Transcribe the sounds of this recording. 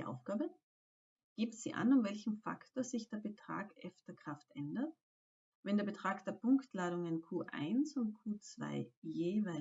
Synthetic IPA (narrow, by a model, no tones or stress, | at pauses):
ʔa̰ʊfɡ̥aːbə | ɡ̥iːp̚z̥ḭːʔa̰nʊmvɛlçm̩fa̰ktozɪçd̥eːɐbətʁ̥a̰ːkʔɛ̰ftɐkʁ̥aftʔɛndɐt̚ | vɛndeːɐbətʁ̥aːkd̥eːɐpʊŋktʰlaːɾʊŋɪnkʰuːʔa̰ɪnsʊnt̚kʰuːt͡sv̥a̰ɪjeːvaɪ